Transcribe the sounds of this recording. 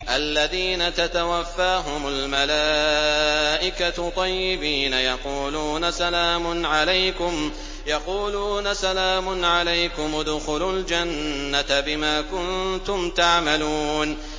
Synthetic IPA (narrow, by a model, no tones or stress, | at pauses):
ʔalːaðiːnat̪at̪awafːaːɦʊmʊlmalaː | ʔɪkat̪ˤːɑjːɪbiːnajɑquːluːnasalaːmʊnʕalajkʊm | jɑquːluːnasalaːmʊnʕalajkʊmd̪ʊxʊlʊld͡ʒanːabɪmaːkʊnt̪ʊmt̪aʕmaluːn